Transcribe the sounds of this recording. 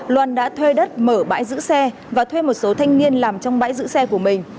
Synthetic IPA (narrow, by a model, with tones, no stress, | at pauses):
lwaː˨˩nɗa̰ː˧˥t̪ʰwe˧ɗə˦˥t̚məː˧˩ɓa̰ː˧˥jzɨ̰˧˥sɛ˧ | vaː˨˩t̪ʰwe˧mo˨˩t̚so˨˦t̪ʰa˧jŋ̟ni˧ənlaː˨˩mt͡ɕɔ˧wŋ͡mɓa̰ː˧˥jzɨ̰˧˥sɛ˧ku˧˩əmï˨˩ŋ̟